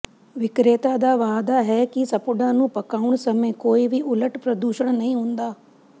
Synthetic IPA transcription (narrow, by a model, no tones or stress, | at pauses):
ʋɪkɾeːt̪ad̪aːʋaːd̪aɦɛkisɐpʊɖãːnũːpɐkaːʊɽ̃sɐmẽkoːiʋiʔʊləʈpɾɐd̪uːʃəɽ̃nɐɦĩɦũːnd̪aː